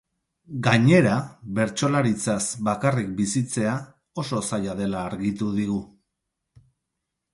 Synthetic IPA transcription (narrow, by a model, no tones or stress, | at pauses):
ɡaɲe̞ɾaβe̞ɾt͡ʃo̞laɾit͡sasbakarik̚bisit͡se̞a | o̞so̞sajaðe̞laːɾɣit̪uðiɣu